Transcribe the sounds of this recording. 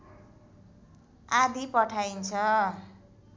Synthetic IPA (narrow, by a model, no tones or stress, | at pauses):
ad̪ipʌʈʰajnt͡sʰʌ